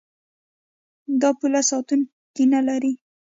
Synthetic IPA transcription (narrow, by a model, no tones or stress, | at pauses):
d̪ɑpulasɑt̪un | t̪inalaɾi